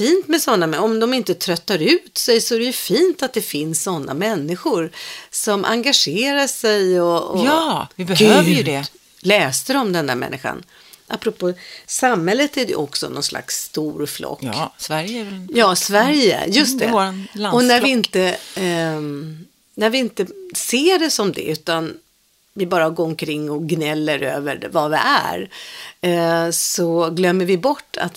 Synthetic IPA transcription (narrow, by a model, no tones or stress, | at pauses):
fiːnt̪mɛsɔnːamɛɔmd̪ɔmɪnt̪ət̪ʰɾœt̪ːaɾʉ̟ːt̪sɛjsɔæɾɛjɵfiːnt̪at̪̚d̪ɛfɪnsːɔnːa̰mɛnːɪɧʊɾsɔmʔa̰ŋɡaʂeːɾaʂɛjɔɔvɪbɛɡʉøːvəjɵd̪ɛ | lɛːst̪əɾɔmd̪ɛnd̪æɾmɛ̰nːɪɧa̰n | ʔapːɾɔpʰoːsamhɛlːət̪æɾɛjɵ̰ʔɔksɔ̰nɔ̰nslʔa̰ksːt̪uːɾflʔɔ̰kːæɾjjɑːsvæɾjə̰jɵst̪ɛɾanlaɔnæɾvɪɪnt̪ə | næɾvɪɪnt̪əseːɖɛsɔmd̪ɛ̰ʉ̟ːt̪an | vɪbɑːɾaɡoːɾɔmkʰɾɪŋːɔɡnɛlːəɾøːvəɾvavɪ̰ʔæ̰ɾ | sɔɡlœmːəɾvɪbɔʈːa̰t̪